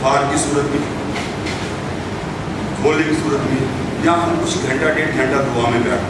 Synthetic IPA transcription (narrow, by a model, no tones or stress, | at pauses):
pʰaːɾkisuːɾət̪i | kʰoːlɪ̃ŋsuːɾət̪mĩː | jãːɦɐũkʊt͡ʃʰɡʱɐ̃ɳʈaʈẽːʈʰɛ̃ːɳɖad̪ʱʊʋaːmẽpja̰ː